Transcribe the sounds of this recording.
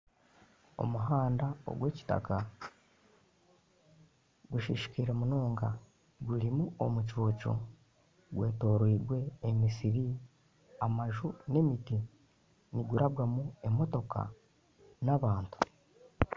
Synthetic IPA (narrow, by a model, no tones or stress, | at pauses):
o̞̰muɦaːndao̞̰ɡwe̞ːci̥ta̰ka | ɡuʃiʃi̥kiɾemunoːŋɡa | ɡuɾimuo̞mucoːco̞̰ | ɡwe̞ːto̞ːɾwiːɾɡwe̞ːmisiɾi | amaʒune̞miti | niɡuɾʔaβɡamue̞mo̞to̞ka̰ | naβaːntu̥